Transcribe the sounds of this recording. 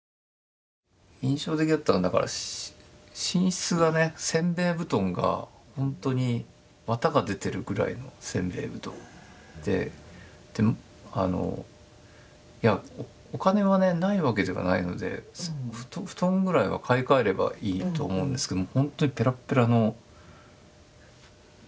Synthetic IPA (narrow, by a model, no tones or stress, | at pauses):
ĩɰ̃ɕo̞ːt̪̬ekʲid̪at̪ːanod̪aka̰ɾa̰ɕ | ɕĩɰ̃ɕi̥t͡sɨɡane̞sẽ̞mbe̞ːbɯ̟t̪õ̞ŋɡa̰hõ̞nt̪o̞ɲ̟i | βat̪aɡad̪e̞t̪e̞ɾɯ̟ɡɯ̟ɾa̰ḭno̞sẽ̞mbe̞̰ːbɯ̟t̪õ̞ | d̪̥e̞̰ | d̪̥e̞m | ano̞̰ | ja | okane̞βane̞naiβake̞d̪e̞βa̰naino̞̰d̪e̞̰sɸɯ̥t̪oɸɯ̥t̪õ̞ŋɡɯ̟ɾaiβa̰kʰaikaeɾe̞ba̰iːt̪o̞ːmo̞ɯ̃nd̪eske̞d̪omhõ̞nt̪o̞ɲ̟ipe̞ɾapːeɾano̞